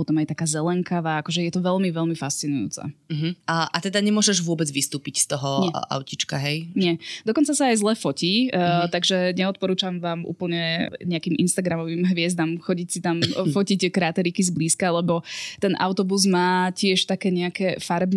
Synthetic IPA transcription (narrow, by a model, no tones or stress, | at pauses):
ɔt̪ɔmajt̪akaːzɛlɛŋkaʋaːakɔʒɛjɛt̪ɔʋɛʎmiʋɛlmifast͡sinujṵːt͡sa̰ɦ̩aʔat̪ɛd̪aɲɛmʊɔʒɛʒʋʊɔbɛd͡zʋist̪uːpicst̪ɔɦɔɛa̰ʊcit͡ʃkaɦɛjɲɛd̪ɔkɔnt͡sasaːjzlˠɛfɔciːt̪aɡʒɛɲɛɔt̪̚pɔɾuːt͡ʃamʋaːmʔṵːpl̩ɲɛɲɛakiːmʔḭnst̪aɡɾamɔʋiːmɦʋɪɛzd̪amxɔɟicsit̪amfɔcickɾat̪ɛɾikizbliːskalɛbɔt̪ɛnʔa̰ʊt̪ɔbuzmaːcɪɛʃt̪akɛːɲɛakɛfaɾbn